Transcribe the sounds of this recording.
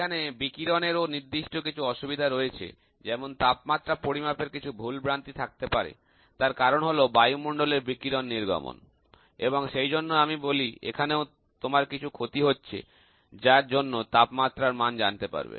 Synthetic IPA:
anebikiɾoneɾoniɾd̪iʃʈokit͡ɕʰuɔʃubid̪ʱaɾoet͡ɕʰḛ | d͡ʑɛmont̪apmat̪ːɾapoɾimapeɾkit͡ɕʰubʱulbɾant̪it̪ʰak̚t̪epaɾḛ | t̪aɾkaɾonɦolobajumoɳɖoleɾbikiɾonːiɾɡɔ̰mo̰n | eboŋʃejd͡ʑonːoamiboliḛkʰaneo | t̪omaɾkit͡ɕʰukʰot̪iɦotːɕʰḛ | d͡ʑaɾd͡ʑonːot̪apmat̪ːɾaɾmand͡ʑant̪epa̰ɾbḛ

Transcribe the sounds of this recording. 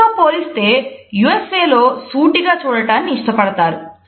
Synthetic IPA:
ɐmpoːlist̪e̞ːjuːeseːlo̞ːsuːʈiɡaːt͡ʃuːɽɐʈaːnːiːʂʈɐpɐɽɐt̪aːɾu

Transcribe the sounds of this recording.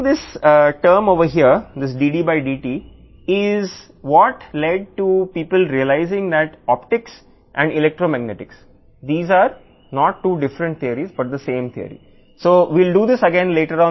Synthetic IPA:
d̪ɪsʈəːɾmoːʋəɦiəɾd̪ɪs̬ɖiːɖiːbaɪɖiːʈiː | ɪz | ʋɔʈleɖ̚ʈupiːpəlɾiəlaɪzɪ̃ŋd̪æʈɔːpʈɪks | ʔɛ̃ɳɖɪlek̚ʈɾoːmæɡ̚nɛʈɪks | d̪iːzaːɾ | nɔːʈʈːuːɖɪfɾə̃ɳʈ̚t̪ʰiəɾizbʌʈ̚d̪əsẽːmt̪ʰiə̰ɾḭ | soːʋilɖuːd̪ɪsəɡɛ̃nleːʈəɾɔ̃ː

